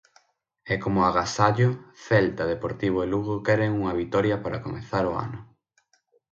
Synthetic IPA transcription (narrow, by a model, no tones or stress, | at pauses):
ɛkomʊaɣasaʎoθɛlt̪ɐðepoɾt̪iβ̞oeluɣokɛɾeŋuŋɐβ̞it̪ɔɾjɐpaɾɐkomeθaɾoa̰nʊ